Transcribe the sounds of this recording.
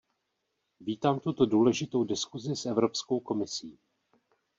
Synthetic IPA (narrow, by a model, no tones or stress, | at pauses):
viːt̪aːmt̪ut̪o̞duːlɛʒɪt̪o̞wdɪskuzɪsʔɛvɾo̞pskowko̞mɪsiː